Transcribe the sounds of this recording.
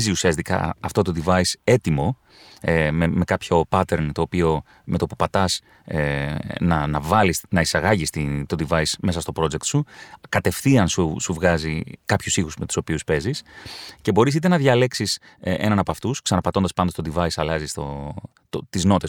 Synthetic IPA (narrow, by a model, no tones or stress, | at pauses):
ziusiɐst̪ikɐ̰ɐft̪o̞t̪oðivɐise̞t̪imo̞ | meme̞kɐpço̞pɐt̪e̞ɾnt̪o̞ːpio̞ | me̞t̪opopɐt̪ɐs | nɐnɐvɐlisnɐisɐɣɐʝist̪it̪o̞d̪ivɐisme̞sɐst̪o̞pɾo̞d͡ʒe̞k̚t̪sukɐt̪e̞fθiɐnsusuvɣɐzikɐpçusixusme̞t̪u̥o̞piuspe̞zisce̞bo̞ɾis̬it̪e̞nɐðʝɐle̞ksis | ʔḛnɐnɐpoɐft̪usksɐnɐpɐt̪o̞nd̪ɐspɐnd̪ost̪od̪ðivɐisɐlɐzist̪o̞ | t̪ot̪izno̞t̪e̞s